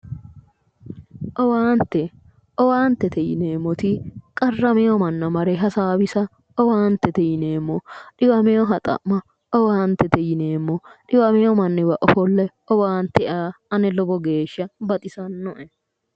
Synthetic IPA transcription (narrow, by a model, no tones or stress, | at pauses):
ʔɔwaːnt̪ːɛ | ʔɔwaːnt̪ːɛt̪ɛjɪ̰neːmːɔt̪ɪkʼɐrːɐmɛjɔmɐnːɐmɐɾɛɦɐsaːbɪsɐ | ɔwaːnt̪ːɛt̪ɛjɪneːmːɔɗɪwɐmɛjɔɦɐt̪ʼɐ̰mːɐ | ɔwaːnt̪ːɛt̪ɛjɪneːmːɔɗɪwɐmɛjɔmɐnːɪwɐʔɔfɔlːɛ | ɔwaːnt̪ɛaːɐnɛlɔbɔɡe̞ːʃːɐbɐt̪ʼɪsɐnːɔʔɛ